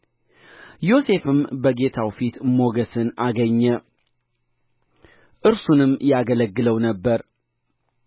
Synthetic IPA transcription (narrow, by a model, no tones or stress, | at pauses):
jo̞se̞fɨmbəɡe̞t̪ʰawfit̪mo̞ɡəsɨnaɡəɲːə | ʔɨɾsunɨmːjaɡələɡːɨləwnəbːəɾ